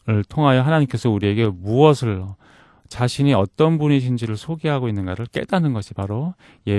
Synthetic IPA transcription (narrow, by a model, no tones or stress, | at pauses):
ɯɭtʰoŋɦajʌɦanaɲimk͈e̞sʰʌuɾie̞ɡe̞muʌsʰɯɭ | t͡ɕaɕʰiɲiʌt͈ʌnbuniɕʰind͡ʑiɾɯɭsʰoɡeɦaɡoinːɯnɡaɾɯɭk͈e̞̰danɯnɡʌɕʰipaɾo | je